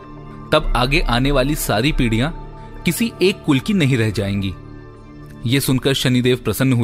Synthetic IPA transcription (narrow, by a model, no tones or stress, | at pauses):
t̪ɐbaːɡeʔaːneʋaːlisaːɾipiːɽijã | kɪsiʔeːkːʊlkinɐɦĩɾɛɦd͡ʒaːẽːŋ̆ɡiː | jesʊnkəɾʃɐnid̪eːʋpɾɐsənːɦu